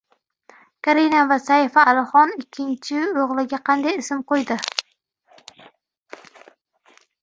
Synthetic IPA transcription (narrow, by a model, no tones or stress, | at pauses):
kʰaɾinavasaifaːlɪχɒnɪkʲʰːɪnt͡ʃʰɪoʁlˠɪɡʲaqʰɑnd̪ajɪsɪmqojd̪ɪ